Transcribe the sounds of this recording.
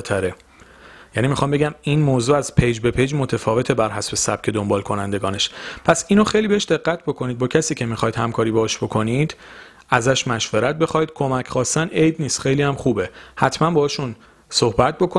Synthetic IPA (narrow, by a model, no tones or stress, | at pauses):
t̪ʰæɾe | jæniːmixɒːmbeɟæminmoːzuːæzpʰejd͡ʒbe̞pʰejd͡ʒmot̪ʰefɒːve̞t̪ʰebæɾɦæsbe̞sæb̥̚cʰe̞d̪ombɒːlkʰo̞nænd̪e̞ɡɒːne̞ʃpʰæsiːnoxe̞jlibeeʃd̪e̞ɢːæt̪̚ʰbo̞kʰo̞niːd̪̚bɒːcʰæsiːcʰe̞mixɒjd̪hæmkʰɒːɾibɒːʃb̥o̞kʰo̞niːd̪̥ | æzæʃmæʃveɾæt̪̚be̞xɒːjid̪̥̚kʰo̞mæcʰχɒːsænʔejd̪niːst̪xejliːhæmχuːbehæt̪ʰmænbɒːʃun | so̞hbæt̪̚bo̞kʰo